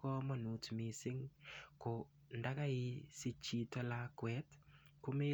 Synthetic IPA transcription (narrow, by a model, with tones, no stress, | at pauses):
kɔ˦mɔ˨nu˨tmi˨sɪ˦ŋko˨ | nda˦ka˦ɪ˦si˦t͡ʃi˦tɔ˦la˦kwɛ˦tku˦me˦